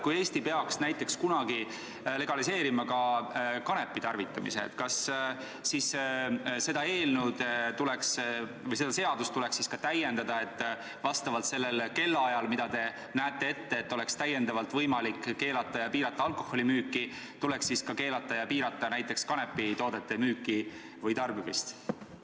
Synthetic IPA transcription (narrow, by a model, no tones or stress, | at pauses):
kujeːst̪ipe̞ɑksnæjt̪ːˑe̞kskunɑɡi | le̞ɡ̥ɑlise̞ːɾimɑkɑkɑne̞pˑːit̪ɑrvit̪ːˑɑmḭsḛt̪kɑsː | is | se̞d̪̥ɑe̞ːlnud̪̥t̪uleks | vɤjse̞d̪ɑse̞ɑd̪̥ust̪uleksiskɑt̪æjːe̞nd̪̥ɑd̪ɑe̞t̪ːˑ | vɑst̪ɑvɑlt̪se̞lːe̞lke̞lːɑjɑlmid̪̥ɑd̪e̞ | næːt̪ˑːe̞e̞t̪ːe̞ːt̪ːo̞le̞kst̪æje̞nd̪ɑvɑlt̪vɤjmɑlikːe̞ːlɑt̪ːˑɑjɑpiːɾɑt̪ːˑɑɑlkˑo̞hːo̞limyːkːˑi | t̪ulɛ̞ksiskɑke̞ːlɑt̪ːˑɑjɑpiːɾɑt̪ːˑɑnæjt̪ːˑekskɑne̞pːˑit̪o̞ːd̪̥et̪ːˑe̞myːkˑːi | vɤjt̪ɑrbivḭst̪